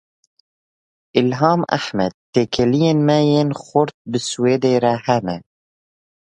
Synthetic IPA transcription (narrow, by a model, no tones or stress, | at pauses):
ʔɪlɦɑːma̰ħmɛd̪̚t̪ːeːkʰɛlijeːnmɛjeːnxʊɾt̪̚bɨsweːd̪eːɾɛhɛnɛ